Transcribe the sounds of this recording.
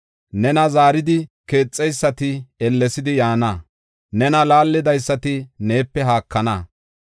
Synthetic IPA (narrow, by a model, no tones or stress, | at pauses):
nɛnɐzaːɾɪd̪ɪke̞ːt͡sʼːɛjsːɐt̪ɪɛlːɛsɪd̪ɪjaːnɐ | nɛnɐlaːlːɪd̪ɐjsːɐt̪ɪne̞ːpːɛɦaːkːɐnɐ